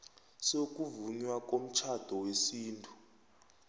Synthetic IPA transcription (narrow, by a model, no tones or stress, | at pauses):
sok̬ʼuvuɲwak̬ʼom̩t͡ʃʰad̥ʱɔwesiːntʰʼu̥